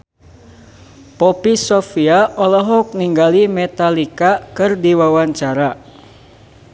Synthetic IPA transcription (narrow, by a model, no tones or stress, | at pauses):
pɔpisɔfiaʔɔlɔɦɔk̚niŋɡalimɛt̪alikakɨrdiwawaɲt͡ʃaɾa